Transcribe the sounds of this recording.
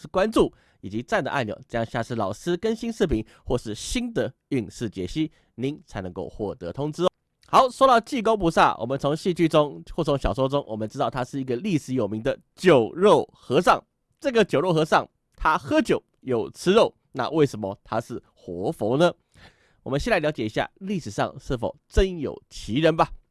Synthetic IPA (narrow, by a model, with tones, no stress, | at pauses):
kwa˥nʈ͡ʂu˥˩ | i˨˩t͡ɕi˧˥t͡sa˥˩nd̪ə˩ʔa˥˩njo̰˧˩ʊʈ͡ʂɤ˥˧jɑ˥˧ŋɕja˥˧ʂɻ̩˥˩lɑ˨˩ʊʂɹ̩˥kə˥nɕi˥nʂɻ̩˥˩pʰi˧˥ŋ | xwɔ˥˧ʂɻ̩˥˩ɕi˥nd̪ə˨ | y˥˧ŋʂɻ̩˥˩t͡ɕjɛ̰˧˥˩ɕi˥ | ni˧˥˦nt͡sʰa˧˥ɪnɤ˧˦ŋko˥˧ʊxwɔ˥˩t̪ə̰˧˦t̪ʰʊ˥ŋt͡sɻ̩˥ | xɑ˧˥˦ʊʂwɔ˥ɾɑ˥˧ʊt͡ɕi˥˧˩k̬o˥ʊp̬u˧˥sa̰˥˩wʔɔ̰˨˩mə˦nt͡sʰo˧˥ŋɕi˥˧t͡ɕy˥ʈ͡ʂʊ˥ŋxwɔ˥˩o˧˥ŋɕjɑ˨˩ʊs̬wɔ˥ʈ͡ʂʊ˥ŋwɔ̰˨˩mə˦ʈ͡ʂɻ̩˥t̪ɑ˥˩ʊt̪ʰa˥ʂɻ̩˥˩i˧˥ɡə˧li˥˩ʂɻ̩˧˥jo˨˩ʊmi˧˥ŋd̪ə˨ | t͡ɕjo˨˩ʊɻo˥˩ʊxɤ˧˥ʂɑ˥˩ŋ | ʈ͡ʂɤ˥˩ɡə˨t͡ɕjo˨˩ʊɻo˥˩ʊxɤ˧˥ʂɑ˥˩ŋ | t̪ʰa˥xɤ˥t͡ɕjo˨˩ʊ | jo˨˩ʊt͡sʰɹ̩˥ɻo˥˩ʊ | na̰˥˧wʔe˥˩ɪʂə˧˥nmə˧t̪ʰa˥ʂɻ̩˥˩ | xwɔ˧˥fo˧˥ʊnə˧ | wɔ˨˩mə˦nɕɛ˥˧nt͡sa˥˩ljɑ˧˥ʊt͡ɕjɛ˨˩i˧˥ɕja̰˥˧li˥˩ʂɻ̩˨˩ʂɑ̰˥˧ŋʂɻ̩˥˩fo̰˨˩ʊʈ͡ʂə˦˥njo̰˨˩ʊt͡ɕʰi˧˥ɻə˧˦nba˨